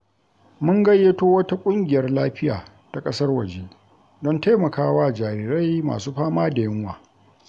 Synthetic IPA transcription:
mʊ˦ŋɡɐ˦jːeː˦toː˦wɐ˦ta˦kʷʼʊ˦ŋɡʲɪ˨jɐ˦rlaː˦ɸɪ˦ja̰ː˨ | ta˨kʼɐ˦sɐ˦rwɐ˨d͡ʒe˦ | dɔ˦nta˦mɐ˨kaː˦waː˦d͡ʒaː˨ɾiː˨ɾa˦jma̰ː˨suː˦ɸaː˦maː˦da˨jɪ˦ŋwaː˨

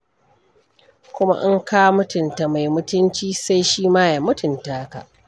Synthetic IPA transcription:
kʷʊ˦ma̰˦ʔɪ˦ŋkaː˦wmʊ˦tʊ˨nta˨ma˨jmʊ˦tʊ˦nt͡ʃiː˦sa˦jʃiː˦maː˦ja˨mʊ˦tʊ˨ntaː˦ka̰˨ʔ

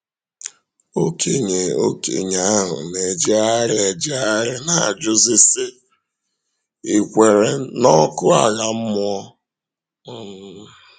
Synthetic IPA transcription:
o˦kʰe˨ɲe˨o̰˦kḛ˨ɲa˦ɦʊ̰˨ne˨d͡ʒi˦a˦ɾɪ˦e˨d͡ʒɪ˦a˦ɾɪ˦na˨a̰˨d͡ʒʊ˦zɪ˦sɪ˦ | i˨kʷe˨ɾe˨nɔ˦kʊ˦a˨ɣa˨m̩˦mʊ˦ɔ˦

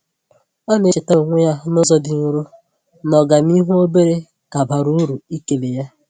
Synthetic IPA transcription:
ɔ˦ne˦e˨ta˦˨ŋʷe˦ja˦nʊ˦zɔ˦dɪ˨n̩˦ɾu˦ | nɔ˨ɡa˨ni˦ɦu˦o˦be˦ɾe˦ | ka˨ba˨ɾu˦ɾu˨i˦ke˨le˨ja˦

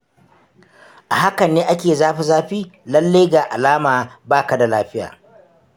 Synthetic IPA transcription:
ʔa˨ɦa˦kɐ˨nːeː˦ʔa˦kʲeː˨zaː˦ɸa˨zaː˦ɸiː˦lɐ˦lːa˦jɡaː˨ʔa̰˨laː˦maː˨baː˦ka˨da˨laː˦ɸɪ˦ja̰ː˨

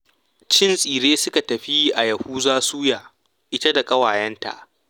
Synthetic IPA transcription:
t͡ʃɪ˦nsʼiː˨ɾeː˦sʊ˦ka˨tɐ˨ɸi˦ʔa˨jɐ˨huː˦zaː˦suː˦jaː˨ | ʔɪ˦tɐ˦da˨kʼɐ˦waː˨jɐ˦nta̰˨ʔ

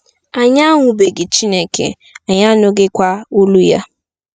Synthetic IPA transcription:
a˨ɲa˦ŋʷʊ˨be˨ɡe˨t͡ʃi˦ne˨kḛ˨ | a˨ɲa˦no˦ɡe˦kʷa˦o˦lu˦ja̰˦

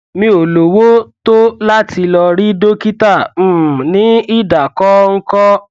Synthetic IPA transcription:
mĩ˧˦o˨lo˨wo˦to˦la˦ti˧lɔ˧ɾi˦do˦ki˦tã˦˨nĩ˨˦i˦da˨kɔ˦ŋ̩˦kɔ˦

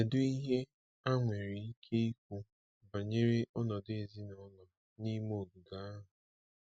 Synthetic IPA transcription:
e˨dʊ˦i˦ɦe˦ | a˦ŋʷe˨ɾi˨i˦kʰe˦i˦kʷu˦ | ba˨ɲe˦ɾe˦ʔɔ˦nɔ˨de˨zi˦nɔ˨˦lɔ˨ | ni˦mo˨ɡu˨ɡa˨a˦ɦʊ˨

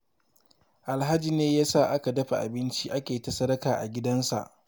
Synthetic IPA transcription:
ʔa˨lɦa˦d͡ʒi˦˨neː˦jaː˦sa˦˨ʔa˦ka˨dɐ˦ɸa˨ʔa̰˨bɪ˦nt͡ʃi˦ʔa˦kʲeː˨tɐ˦sɐ˦ɾɐ˦kaː˨ʔa˨ɡʲɪ˦dɐ˦nsa̰˨ʔ

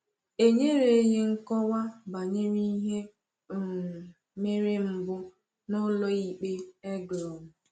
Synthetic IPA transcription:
e˦ɲe˦ɾe˨˦ɣe˦ŋ̩˦kɔ˦wa˦ba˨ɲe˦ɾi˦ɦe˦˨ | me˦ɾe˦m̩˨bʊ˦ | nʊ˦lɔ˦i˦k͡pe˦e˦ɡɔ˨mʊ˨

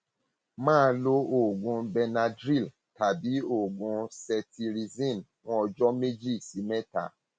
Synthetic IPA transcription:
mãː˦˧lo˦o˨ɡũ˧bɛ˧na˧dɾi˦˨l | ta˨bi˨˦o˦˨ɡũ˧sɛ˧tʰi˧ɾi˧zĩ˦˨n | w̃ɔ̃˦ɔ˧d͡ʒɔ˦me˦d͡ʒi˦˨si˨˦mɛ̃˦ta̰˨˦

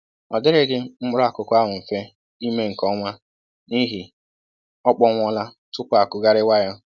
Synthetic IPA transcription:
ɔ˨dɪ˦ɾɪ˦ɡɪ˦m̩˦ʊ˦ɾa˨kʊ˨kʷʊ˦a˦ɦʊ˨m̩˨fe˦ | i˦me˦ŋ̩˨kɔ˦ŋʷa˦ | ni˦ɦi˨ | ɔ˦k͡pɔ˦ŋʷɔ˦la˦ | tʊ˦kʷa˨kʊ˨ɡa˦ɾɪ˦wa˦jɔ˦

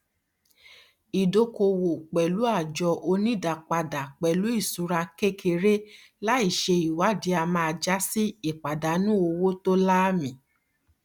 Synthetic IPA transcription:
i˨do˧˦ko˧wo˨k͡pɛ˨lu˨˦a˦˨d͡ʒɔ˧ʔo˧nĩ˦˨da˨k͡pa˨da˨k͡pɛ˨lu˨˦i˦˨su˨˧˦ɾa˧ke˦˨kʰe˧ɾe˦ | la˦i˦˨ʃe˧i˨wa˨˦di˨˦a˧mã˧a˧d͡ʒa˦si˦i˦˨k͡pa˨da˨˦nũ˦o˧wo˦to˦la˦mĩ˨

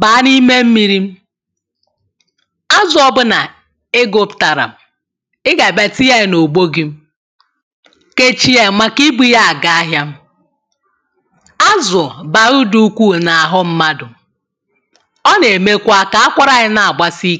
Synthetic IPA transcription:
ba˨a˦ni˦me˦m̩˦mi˦ɾi˦m̩˦ | a˦zʊ˦˨ɔ˦bʊ˦na˨ | e˦ɡo˦pta˨ɾa̰˨m̩˨ | ɪ˦ɡa˨ba˨ti˦ja˦˨no˨ɡ͡bo˦ɡi˦m̩˦ | ke˦t͡ʃi˦e˨ma˦ki˦bi˦ja˦a˨ɡa˨a˦ɦja˦m̩˦ | a˦zʊ˨ba˨ɾʊ˦du˦kʷu˦˨na˨a˨ɦʊ˦m̩˦ma˦dʊ˨ | ɔ˦ne˨me˦kʷa˦ka˨a˦kʷa˦ɾa˦ɣɪ˦na˨a˨ɡ͡ba˦si˦

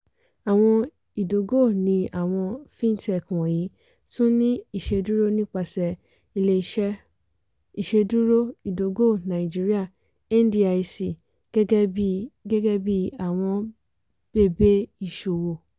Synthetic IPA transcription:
a˨w̃ɔ̃˧ | i˨do˨˦ɡo˦˨nĩ˧a˨w̃ɔ̃˧fĩ˦n˦tɛ˦˨kɔ̃˨ji˨˦ | sũ˦nĩ˦i˦˨ʃe˧du˦ɾo˦nĩ˦k͡pa˧˨sɛ˨ | i˨le˧˨ʃɛ˦ | i˨ʃe˧du˦ɾo˦i˨do˨˦ɡo˦˨nã˨i˨d͡ʒi˦ɾi˦a˦˨ | ɛ˦n˦di˦a˧i˧si˨ | ɡɛ˦bi˦ɡɛ˦ɡɛ˦bi˦a˨w̃ɔ̃˧ | b̥e˦˨be˦i˦˨ʃo˨wo˨

